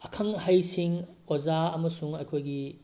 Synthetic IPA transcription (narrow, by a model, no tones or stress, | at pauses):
ɐkʰɐŋhɐjsiŋozaɐmɐsuŋɐjkʰojɡi